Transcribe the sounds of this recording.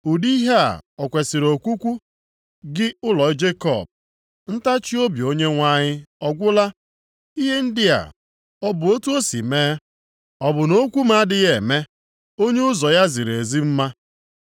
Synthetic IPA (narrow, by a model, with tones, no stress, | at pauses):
u˨di˦ɦe˦a̰˨ɔ˨kʷe˨si˨ɾo˨kʷu˦kʷu˦ | ɡɪ˦ʊ˦lɔ˨ɪ˦d͡ʒe˦kɔ̰˨b̚ | n̩˦ta˦t͡ʃi˦o˦bjo˦ɲe˦ŋʷa˦ɲɪ˦ɔ˦ɡʷʊ˦la˦ | i˦ɦe˦n̩˦dɪ˦a̰˨ | ɔ˦bʊ˨o˦tu˦o˦si˨meː˦ | ɔ˨bʊ˨no˦kʷu˦ma˦a˦dɪ˦ɣe˨me˦ | o˦ɲe˦ʊ˦zɔ˨ja˦zi˨ɾe˨zi˦m̩˦ma˦